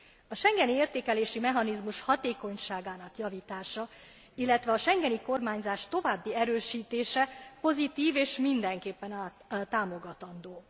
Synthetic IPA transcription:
ɒʃɛŋɡɛnieːrt̪eːkɛleːʃimɛɦɒnizmuʃhɒt̪eːko̞ɲʃaːɡaːnɒkjɒviːt̪aːʃɒ | ilːɛt̪ʋɛɒʃɛŋɡɛniko̞rmaːɲzaːʃt̪o̞vaːbːiɛɾøːʃiːt̪eːʃɛpo̞zit̪iːveːʃmind̪ɛŋkeːpːɛnaː | t̪ːaːmo̞ɡɒt̪ɒnd̪oː

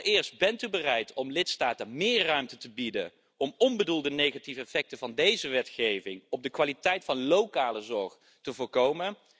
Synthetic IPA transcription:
ɪːɹst̚bɛntybərɛjtʰɔmlɪtstaːtənmɪːɹrːœɥmtətəbidə̰n | ɔmɔnbədulˠdənejχativəɛfɛk̚təvɑndejzəʋɛtχejvɪŋɔb̚dəkʋaːlitɛjtfɑnlowkaːləzɔɹχ | təvʊːɹkowmən

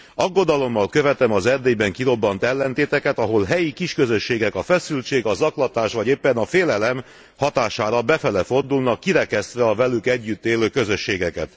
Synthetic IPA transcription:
ɒɡːo̞d̪ɒlo̞mːɒlkøvɛt̪ɛmɒzɛrd̪eːjbɛŋkiɾo̞bːɒnt̪ɛlːɛnt̪eːt̪ɛkɛt̪ɒɦo̞lɦɛjikiʃkøzø̞ʃːeːɡɛkɒfɛsylt͡ʃeːɡɒzɒklɒt̪aːʃʋɒɟeːpːɛnɒfeːlɛlɛm | hɒt̪aːʃaːɾɒbɛfɛlɛfo̞rd̪ulnɒkːiɾɛkɛst̪ʋɛɒvɛlykɛɟːyt̪ːeːløːkøzø̞ʃːeːɡɛkɛ̰t̪

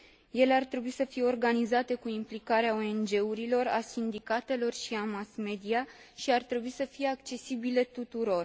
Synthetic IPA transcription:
je̞le̞art̪ɾe̞buisəfije̞o̞rɡanizat̪e̞kuimplikaɾeaoe̞nd͡ʒe̞uɾilo̞rasind̪ikat̪e̞lo̞rʃiamasme̞d̪ia | ʃiart̪ɾe̞buisəfije̞akt͡ʃe̞sibile̞t̪ut̪uɾo̞r

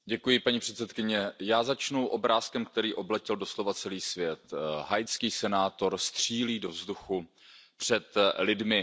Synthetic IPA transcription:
ɟɛkujɪpaɲipr̝̥ɛt̪sɛt̪kɪɲɛjaːzat͡ʃnuwʔo̞bɾaːskɛmk̚t̪ɛɾiːʔo̞blɛcɪldo̞slo̞vat͡sɛliːsvjɛt̪ɦajt͡skiːsɛnaːt̪o̞ɾst̪r̥iːliːdo̞vzduxu | pr̝̥ɛt̪lɪdmɪ

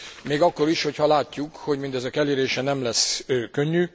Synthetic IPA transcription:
meːɡɒkːo̞ɾiʃho̞chɒlaːcːukho̞ɟmind̪ɛzɛkɛleːɾeːʃɛnɛmlɛsøːkøɲːy

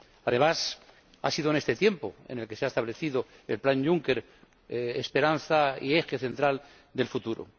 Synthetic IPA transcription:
aðe̞mas | a̰siðone̞st̪e̞t̪je̞mpo̞̰ḛnelke̞seaest̪aβ̞le̞θiðo | elplanɟ͡ʝuŋke̞ɾ | espe̞ɾanθaḭe̞xeθe̞nt̪ɾal | d̪e̞lfut̪uɾo̰

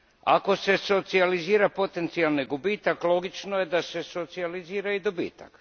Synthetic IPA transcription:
a̰ko̞se̞so̞t̪sializiːɾapo̞t̪e̞nt̪sialniɡubiːt̪aklo̞ɡit͡ʃnoje̞d̪ase̞so̞t̪sializiːɾaid̪obḭːt̪a̰k

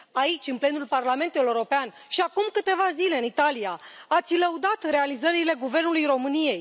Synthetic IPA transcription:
ait͡ʃʲɨnple̞nulparlame̞nt̪euɾo̞pean | ʃiakumkɨt̪e̞vazile̞ɨnit̪alijaat̪sʲləud̪at̪re̞alizəɾile̞ɡuve̞rnulujɾo̞mɨnije̞j

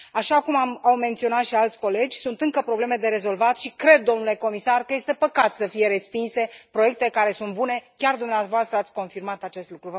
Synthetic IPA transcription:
aʃakumamawme̞nt̪sio̞nat̪ʃialt̪sʲko̞le̞d͡ʒʲsunt̪ɨŋkəpɾo̞ble̞me̞d̪e̞ɾe̞zo̞lvat̪ʃikɾe̞d̪̚ːo̞mnule̞ko̞misarkəje̞st̪e̞pəkat̪səfije̞ɾe̞spinse̞pɾo̞je̞k̚t̪ekaɾe̞sunt̪bune̞kʲard̪umneavoast̪ɾəat̪sʲko̞nfirmat̪at͡ʃe̞st̪lukɾuvə

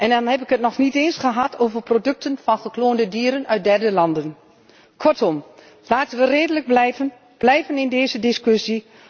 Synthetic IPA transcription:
ʔɛndɔnhɛp̬ɪkətnɔχniteːnsχəɦatʰoːvərprodøk̚tʰənfɑnχəkloːndədiːɾənœɥt̚dɛrdəlɑndən | kʰɔrtɔm | laːtənʋəreːdələɡ̚blɛə | b̥lɛjvənɪndeːzədɪskøsi

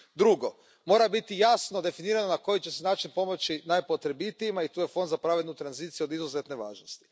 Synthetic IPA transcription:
d̪ɾuɡo̞ | mo̞ːɾabit̪ijasno̞d̪e̞finiːɾanonako̞jit͡ʃe̞senaːt͡ʃinpo̞mot͡ʃinajpo̞t̪ɾe̞bit̪eʎimait̪uːje̞fo̞nd̪zapɾaʋed̪nut̪ɾanziːt̪sjuo̞d̪izuzet̪ne̞ʋaːʒnost̪i̥

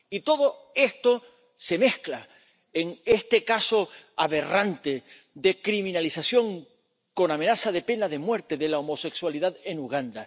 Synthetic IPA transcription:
it̪o̞ðo̞e̞st̪o̞ | se̞me̞hkla | eŋe̞st̪e̞kaso̞aβe̞rant̪e̞ | d̪e̞kɾimĩnalisasjo̞ŋ | ko̞namenasaðe̞pe̞naðe̞mwe̞ɾt̪e̞ðe̞laomo̞se̞kswaliðaðe̞nuɣ̞and̪a

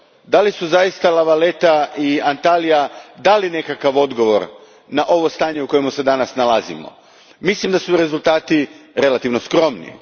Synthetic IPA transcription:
d̪alisuzajist̪alaʋale̞t̪aiant̪alijad̪aline̞kakaʋo̞d̪ɡo̞ʋo̞ɾ | naʔo̞ʋo̞st̪aːɲe̞uko̞jemuse̞d̪anasnalazḭmo̰ | mislimd̪asuɾe̞zulˠt̪aːt̪iɾe̞lat̪iʋno̞skɾo̞mnḭ

